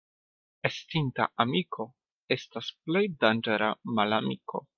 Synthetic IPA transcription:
estinta̰ʔamikʰo̞ | e̞stasple̞jdand͡ʒeɾamalamiko̞̰

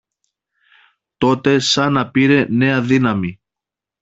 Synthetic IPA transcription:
t̪o̞t̪e̞sɐnɐpiɾe̞ne̞ɐðinɐmi

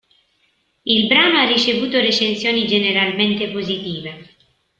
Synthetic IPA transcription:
ilbɾaːnoarːit͡ʃevuːt̪oret͡ʃensjɔːnid͡ʒeneɾalment̪epozit̪iːve

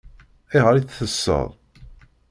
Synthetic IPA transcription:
iʁəɾiθθəsːə̰ðˤ

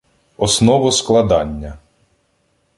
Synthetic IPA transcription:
ɔsnɔʋɔsklˠɐd̪ɑnʲːɐ

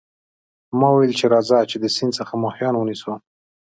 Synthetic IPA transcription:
mɑwajelt͡ʃeɾɑzat͡ʃed̪əsind̪səxamɑhjɑnwəniso

